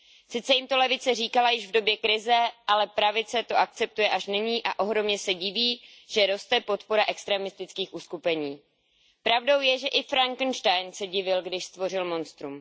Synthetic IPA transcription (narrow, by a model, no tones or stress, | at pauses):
sɪt̪t͡sɛjɪmt̪o̞lɛvɪt͡sɛriːkalajɪʒvdo̞bjɛkɾɪzɛʔalɛpɾavɪt͡sɛt̪o̞ʔak̚t͡sɛp̚t̪ujɛʔaʃnɪɲiːʔaʔo̞ɦɾo̞mɲɛsɛɟɪviː | ʒ̥ɛɾo̞st̪ɛpo̞t̪po̞ɾaʔɛkst̪ɾɛːmɪst̪ɪt͡skiːxʔuskupɛɲiː | pɾavdo̞wjɛʒɛʔɪfɾaŋkn̩ʃt̪ajnsɛɟɪvɪlɡdɪʃst̪vo̞rɪlmo̞nst̪ɾum